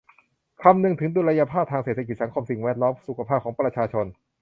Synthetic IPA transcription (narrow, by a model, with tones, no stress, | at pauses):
kʰa˧mnɯ˨˧˩ŋt̪ʰɯ˩˦ŋduː˧ɾa˧ja˧pʰaː˥˩p̚t̪ʰa˧ŋse˨˩t̪ʰa˧ki˨˩t̪̚sa˩˦ŋkʰo˧msi˨˩ŋwɛ˦˥˩t̪̚lɔː˦˥msu˨˩kʰa˧pʰaː˥˩p̚kʰɔː˩˦ŋpɾa˧t͡ɕʰaː˧t͡ɕʰo˧n